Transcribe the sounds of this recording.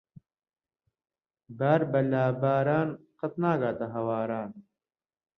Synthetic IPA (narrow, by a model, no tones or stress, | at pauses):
baːɾbɐlaːbaːɾaːnqɐt̪naːɡaːt̪ɐɦɐwaːɾaːn